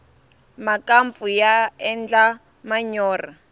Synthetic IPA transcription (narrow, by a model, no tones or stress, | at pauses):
makamp̪fujaɛnd͡ɮa | maɲɔːra